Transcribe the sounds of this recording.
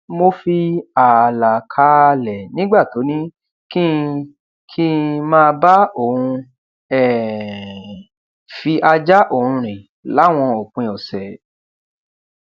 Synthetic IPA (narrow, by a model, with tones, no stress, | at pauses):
mo˧fi˧a˨la˨kʰa˨˦˧lɛ˨nĩ˦ɡ͡ba˦˨to˨˦nĩ˦ | kĩ˦ | kʰĩ˦mãː˦˧ba˦o˦˨hũ˧ | ɛ˦˨ | fi˧ʔa˧d͡ʒa˦ʔo˦˨hũ˧ɾ̃ĩ˨ | la˨˦w̃ɔ̃˧ɔ˨k͡pũ˨˧˨ɔ˨sɛ˨